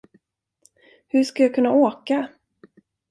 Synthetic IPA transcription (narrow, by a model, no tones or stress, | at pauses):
hɵʂkajaːkʰɵnːaʔoːka